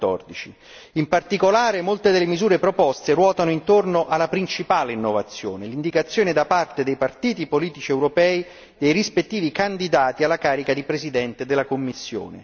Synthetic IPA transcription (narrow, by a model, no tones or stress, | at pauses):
ɔrd̪it͡ʃi | impart̪ikolaːɾemolt̪ed̪elːemizuːɾepɾopɔst̪erwɔːt̪anoint̪ornoʔalːapɾint͡ʃipaːleinːovat̪sːjoːnelind̪ikat̪sːjoːned̪apart̪ed̪ejpart̪iːt̪ipoliːt̪it͡ʃiɛwɾopɛːi | d̪ejrispet̪ːiːvikand̪id̪aːt̪ialːakaːɾikad̪ipɾezid̪ɛnt̪ed̪elːakomːisːjo̰ːnḛ